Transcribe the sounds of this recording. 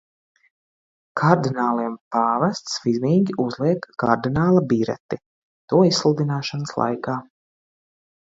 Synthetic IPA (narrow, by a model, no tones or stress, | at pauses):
kʰaɾd̪inaːlˠiɛmpaːvast̪svizmiːɡʲiuzlˠiɛkːaɾd̪inaːlˠabiːɾɛ̰t̪i | t̪uɔisslˠud̪inaːʃanəslˠa̰jkaː